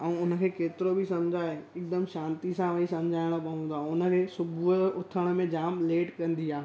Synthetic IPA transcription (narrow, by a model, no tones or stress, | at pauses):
ɛ̃ʊnə̆kʰeːkeːt̪ɪɾobʱisɐmd͡ʑʱaːeɪk̚d̪əmʃãːnt̪isãʋɐisɐ̃md͡ʑʱaːɪɽ̃opɐ̃ɦũnd̪aːʊnə̆kʰeːsʊbʱʊʊt̪ʰəɽ̃̆mẽd͡ʑaːmleːʈkɐ̃nd̪iaːe